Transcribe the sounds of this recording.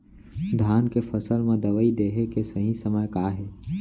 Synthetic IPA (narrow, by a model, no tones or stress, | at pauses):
d̪ʱjaːnkefəsəlmẽd̪ɐʋəid̪eːɦekesəɦĩsəməjkaːɦɛː